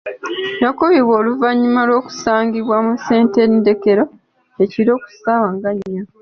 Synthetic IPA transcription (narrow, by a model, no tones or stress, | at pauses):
jakoβiβwoːluvaɲːumalo̞ːku̥saːŋɡiβwamuse̞ːnte̞ndeke̞ɾo̞ | eciɾo̞ːku̥sawaŋɡaɲːa